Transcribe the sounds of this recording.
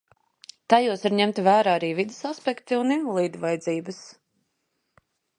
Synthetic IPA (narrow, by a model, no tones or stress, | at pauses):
t̪ajuɔsaɾɲɛmt̪ivæːɾaːaɾiːvid̪ɪsaspɛkt̪iuninvɔlˠiːd̪vajd̪ziːbəs